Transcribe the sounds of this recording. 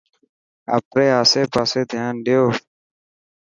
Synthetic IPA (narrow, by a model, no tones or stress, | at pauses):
ə̰pɾeːaːseːpaːseːd̪ʱjaːnɖeoː